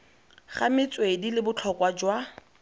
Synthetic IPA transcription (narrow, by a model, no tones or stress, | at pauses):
χamɪt͡sʼwedilɪbʊt͡ɬʰɔkʼwad͡ʒwa